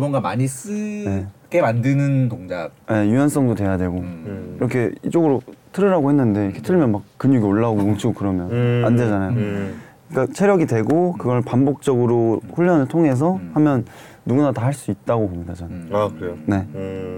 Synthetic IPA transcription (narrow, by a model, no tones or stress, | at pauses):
bʌnɡama̰ɲis͈ɯneɡe̞mandɯnɯntoŋdap̚je̞juʌns͈ʌŋdotwe̞jadwe̞ɡoiɾʌkʰe̞ḭt͡ɕ͈oɡɯɾotʰɯɾɯɾaɡohenːɯnde̞ikʰe̞tʰɯɭmjʌnmak̚k͈ːɯɲuɡioɭːaoɡokoŋt͡ɕʰiɡokɯɾʌmjʌnande̞d͡ʑanajo | ik͈at͡ɕʰe̞ɾjʌɡidwe̞ɡokɯɡʌɭpambok̚t͡ɕ͈ʌɡɯɾoɸuɭːʌnɯɭtʰoŋe̞s̬ʰʌhamjʌnː | uɡunatahaɭs͈uit̚t͈aɡobʌmɲidat͡ɕanajoakʰɯɾeone̞